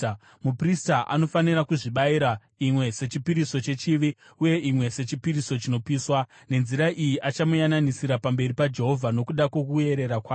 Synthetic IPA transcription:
mupristaʔa̰no̞fanirakuʐiɓaiɾa | imwe̞se̞t͡ʃipiɾiso̞t͡ʃe̞t͡ʃiʋi | uje̞ʔimwe̞se̞t͡ʃipiɾiso̞t͡ʃino̞piːswa | ne̞nziɾaʔijiʔat͡ʃamujananisiɾapambe̞ripad͡ʒe̞ɦo̞vʱano̞kuɗakwo̞kue̞ɾe̞ɾakwaː

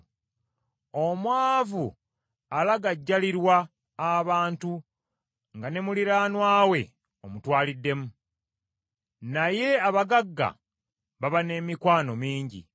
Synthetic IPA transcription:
o̞mwaːvu | alaɡaɟːaliɾwaː | βaːntu | ŋɡane̞muliɾaːnwaːwe̞ | o̞mutwaːlidːe̞mu | naje̞aβaɡaɡːa̰ | βaβane̞mikwaːno̞miːɲɟḭ

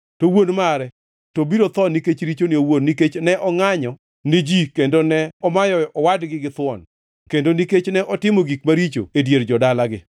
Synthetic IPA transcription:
towonmaɾɛ | tobiɾot̪ɔniket͡ʃɾit͡ʃonɪowonːiket͡ʃnɛʔɔŋaɲɔ | ned͡ʒikendonɛɔmajɔʔɔwadɡɪɡɪt̪wɔn | kendoniket͡ʃnɛʔɔtɪmoɡikmaɾit͡ʃo̰edjeɾd͡ʒɔdalaɡɪ

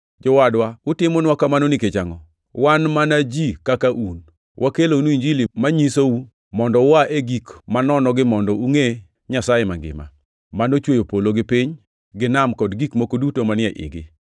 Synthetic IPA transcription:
d͡ʒɔwadwaʊtɪmonwakamanoniket͡ʃaŋɔ | wanmanad͡ʒikakaʔun | wʔakeloniɲd͡ʒilimaɲisou | mɔndɔwaʔeɡikmanɔnɔɡɪmɔndɔuŋe | ɲasajema̰ŋɡɪ̰ma̰ | manot͡ʃwojopoloɡɪpiɲ | ɡɪnamkɔdɡikmokodutomanɪɛʔɪ̰ɡɪ̰

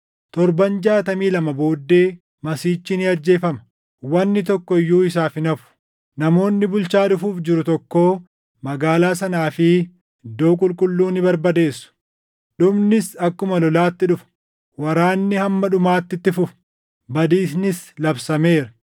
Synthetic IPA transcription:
t̪ɔɾbɐnd͡ʒaːt̪ɐmiːlɐmɐbo̞ːd̪ːe̞ː | mɐsiːt͡ʃːɪnɪɐɾd͡ʒe̞ːfɐmɐ̥ | wɐnːɪt̪ɔkːɔɪjːuːɪs̬aːfɪnɐfʊ̥ | nɐmo̞ːnːɪbʊlt͡ʃaːᶑʊfuːfd͡ʒɪɾʊt̪ɔkːo̞ː | mɐɡaːlaːsɐnaːfɪ | ɪd̪ːo̞ːkʼʊlkʼʊlːuːnɪbɐɾbɐd̪eːsːʊ̥ | ɗʊbnɪsɐkːʊmɐlɔlaːt̪ːɪᶑʊfɐ̥ | wɐɾaːnːɪhɐmːɐᶑʊmaːt̪ːɪt̪ːɪfʊf | bɐd̪iːsnɪslɐbsɐme̞ːɾɐ

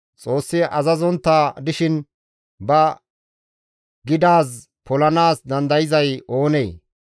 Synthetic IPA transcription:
t͡sʼo̞ːsːɪʔɐzɐzɔnt̪ːaːd̪ɪʃɪn | bɐ | ɡɪd̪aːs | pɔlɐnaːsd̪ɐnd̪ɐjɪzɐjo̞ːneː

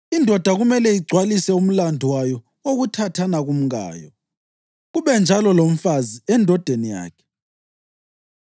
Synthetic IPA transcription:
indʱɔd̥ʱaɣumɛlɛiɡ͡ǀʱwalisɛum̩landʱiwajɔ | oɣutʰatʰanaɣum̩ɣa̰ːjɔ | ɣuβɛnd͡ʒʱalɔlom̩faziɛndʱɔd̥ʱenija̰ːkʰɛ̥

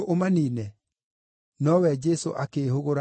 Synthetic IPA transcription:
ʔomaniːnɛ | nɔwɛd͡ʒɛsoʔakeːhoɣoɾa

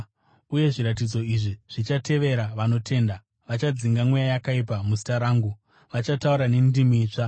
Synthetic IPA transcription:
uje̞ʐiɾat̬id͡zo̞iʐiʐ̥it͡ʃate̞ʋe̞ɾaʋano̞tʰe̞ːnda | ʋat͡ʃad͡ziŋɡamwejajakaip̬amusi̥taɾaːŋɡu | ʋat͡ʃatauɾane̞ndimiːt͡ʂa

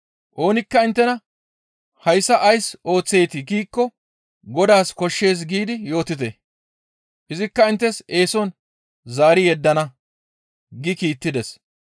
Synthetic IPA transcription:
ʔo̞ːnɪkːɐɪnt̪ːɛnɐ | hɐjsːɐʔɐjso̞ːt͡sːe̞jt̪ɪɡiːkːɔ | ɡɔd̪aːskɔʃːe̞ːs̬ɡiːd̪ɪjo̞ːt̪ɪt̪e | ʔɪzɪkːɐɪnt̪ːɛse̞ːsɔn | zaːɾɪjɛd̪ːɐnɐ | ɡɪkiːt̪ːɪd̪ɛs

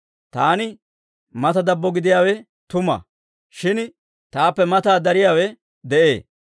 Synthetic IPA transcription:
t̪aːnɪ | mɐt̪ɐd̪ɐbːɔɡɪd̪ɪjaːwɛ | t̪ʊmɐ̰ | ʃɪn | t̪aːpːɛmɐt̪aːd̪ɐɾɪjaːwɛ | d̪ɛʔḛː

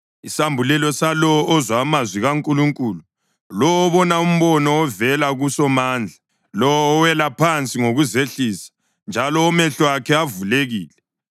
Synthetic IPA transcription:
isambʱulɛlɔsalɔwɔʔːzwaːmazwiɣaŋkʼuluŋkʼuːlu | lɔwːβɔnaum̩βɔnɔɔvɛlaɣusɔmaːnd͡ɮʱa | lɔwːwɛlapʰant͡sʼiŋoɣuzeɬiːsḁ | nd͡ʒʱalɔːmɛɬɔakʰɛavuleɣiːlɛ

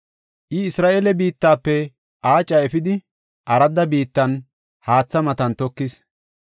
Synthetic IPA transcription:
ʔɪɪsɾaːʔelɛbiːt̪ːaːpːɛ | ʔaːt͡ʃʼːɐɛfɪd̪ɪ | ʔɐɾɐd̪ɐbiːt̪ːɐn | haːt͡sːɐmɐt̪ɐnt̪ɔkːɪs

